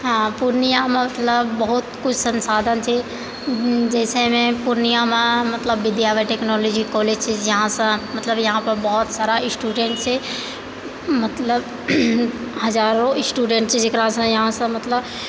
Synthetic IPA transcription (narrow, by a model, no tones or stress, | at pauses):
ɦãːpuɾnijãmãmɐt̪ləbːɐɦʊt̪kʊt͡ʃʰsɐ̃nsaːd̪ʱə̃nt͡ʃʰe | d͡ʒɛːsemẽpuɾnijãmãmɐt̪ləbːɪd̪jaːʋəʈeːknɔːloːd͡ʒikɔːled͡ʒt͡ʃʰejɐɦãsãmɐt̪ləbjɐɦãpɐɾbɔɦɔt̪saːɾaɪsʈuːɖẽɳʈse | mɐt̪ləb | hɐzaːɾõɪsʈuːɖẽːɳʈsed͡ʒɪkɾasãjɐɦãsə̃mɐt̪ləb